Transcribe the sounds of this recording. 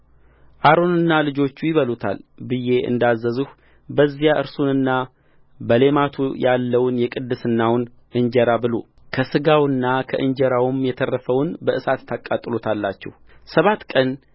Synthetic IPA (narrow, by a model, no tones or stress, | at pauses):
ʔaɾo̞nɨnːalɨd͡ʒo̞t͡ʃːujɪβəlut̪ʰa̰lbɨje̞ʔɨ̰nd̪azːəzɨh | bəzːijaʔɨɾsunɨnːa | bəle̞mat̪ʰujalːəwnjɛkʼɨd̪ːɨsɨnːawʊn | ʔɨɲd͡ʒɛɾabɨlo̞̰ | kʰəsɨɡawɨnːakʰə̰ʔɨɲd͡ʒɛɾawmjɛt̪ʰərːəfəwnbəʔɨsat̪t̪ʰːakʼat̪ʼːɨlo̞t̪ʰalːat͡ʃːɛ̰hsəβat̪ːkʼən